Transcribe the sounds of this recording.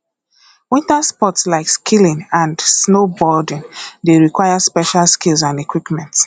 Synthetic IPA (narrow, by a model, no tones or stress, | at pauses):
wĩntaspɔtslaɪkskʰilĩnãndsnobɔdĩndeɹikwaɪaspɛʃalskilˠsãnekwipmɛ̃nts